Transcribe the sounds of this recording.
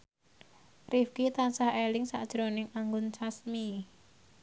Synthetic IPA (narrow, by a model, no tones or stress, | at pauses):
rifkit̪ansahelɪŋsa̰d̥ʒ̥ɾonɪŋaŋɡʊnt͡ʃasmi